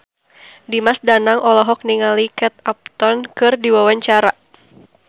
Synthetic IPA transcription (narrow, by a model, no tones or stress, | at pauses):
dimasdanaŋɔlɔɦɔk̚niŋalikɛt̪ap̚t̪ɔnkɨrdiwawaɲt͡ʃaɾa